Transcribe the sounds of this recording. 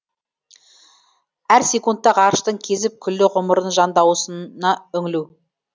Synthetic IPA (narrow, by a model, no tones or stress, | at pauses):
æɾse̞kunt̪ːɑqɑɾəʃt̪əɴkʲʰe̞zɪp̚kʲʰʏlːɪʁʊməɾənʒɑnd̪ɑwsənɑɵŋɪlu